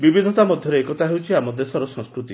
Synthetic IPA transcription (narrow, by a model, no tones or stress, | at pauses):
bibid̪ʱɔt̪amɔd̪ʱjɔɾeekɔt̪aɦewt͡ʃʰiamɔd̪esɔɾɔsɔŋskɾut̪i